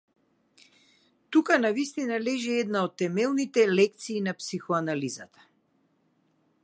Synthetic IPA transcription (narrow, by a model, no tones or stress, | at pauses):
t̪ukanavist̪inalɛʒɛɛd̪naɔt̪ːɛmɛlˠnit̪ɛlɛk̚t̪siːnapsixɔanalizat̪ḁ